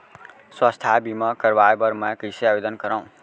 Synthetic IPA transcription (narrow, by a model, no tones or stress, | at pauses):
swʌst̪ʰabimʌkʌɾbajbʌɾmʌkiseabed̪ʌnkʌɾaw̃